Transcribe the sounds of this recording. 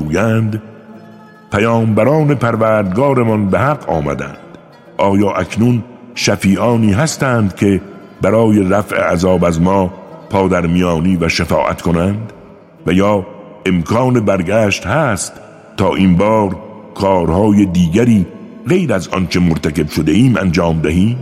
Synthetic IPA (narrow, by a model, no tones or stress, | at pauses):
uːjænd̪ | pʰæjɒːmbæɾɒːne̞pʰæɾvæːɾd̪ɡɒːɾe̞mɒnbehæɡɒ̰ːmæ̰d̪æ̰nd̪̥ | ʔɒːjɒːʔæknun | ʃæfiːʔɒːniːɦæst̪æːnd̪kʰe̞ | bæɾɒːje̞ɾæfʔḛʔæzɒːbæzmɒːpʰɒːd̪æɾmijɒːniːvæʃefɒ̰ːʔæ̰t̪kʰo̞nænd̪ | væjɒː | e̞mkʰɒːnebæɾɡæːʃt̪hæːst̪ʰː | ɒːʔinbɒːɾkʰɒːɾhɒːjed̪iːɡæɾiː | ɣe̞jɾæzɒ̰nt͡ʃʰe̞moɾt̪ʰæke̞b̥ʃod̪eiːmʔæ̰nd͡ʒɒːmd̪æɦiːm